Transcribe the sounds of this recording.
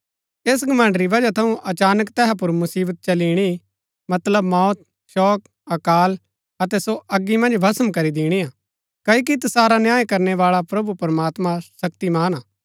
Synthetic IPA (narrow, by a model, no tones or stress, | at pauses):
eːs̬ɡɐmɐ̃ɳɖɾiʋɐd͡ʒat̪ʰɐũʔɐt͡ʃaːnəkt̪ɛːɦap̬ʊɾmʊsiːbət̪̚t͡ʃɐliːɽ̃i | mɐt̪ləbmɔːt̪̚ | ʃɔːk | ɐkaːl | ɐt̪ɛsoʔɐɡːimɐ̃nd͡ʒbʱɐsəmkɐɾid̪iːɽ̃iaː | kɐik̬it̪saːɾanjãːekɐɾnɛʋaːɭapɾɐbupɐɾmaːt̪mãsɐkt̪imaːnaː